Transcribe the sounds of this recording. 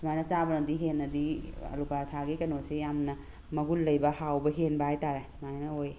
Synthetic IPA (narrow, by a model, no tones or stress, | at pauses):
smajnɐt͡ʃabɐnɐdiɦenːɐdiɐ̰lukaɾtʰaɡikɐnosejamnɐ | mɐɡulːɐjbɐhawbɐɦenbɐajtaɾesimajnɐoj